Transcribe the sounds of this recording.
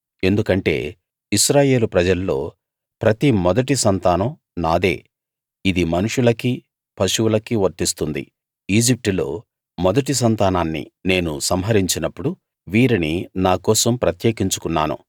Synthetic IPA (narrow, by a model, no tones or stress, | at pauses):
e̞nd̪ukɐɳʈe̞̰ː | iʃɾaːje̞ːlupɾɐd͡ʒɐlːo̞̰ː | pɾɐt̪imɔd̪ɐʈ̬isɐnt̪aːnɐ | naːd̪e̞̰ː | id̪imɐnuʂulɐki | pʰɐʃuulɐkiʋɐɾt̪ist̪und̪ḭ | iːd͡ʒip̚ʈulo̞̰ː | mɔd̪ɐʈ̬is̬ɐnt̪aːnaːnːḭne̞ːnusɐmɦɐɾiɲt͡ʃinɐpːuɽu | ʋiːɾininaːkɔːsɐmpɾɐt̪jeːkiɲt͡ʃu̥kunːa̰ːnṵ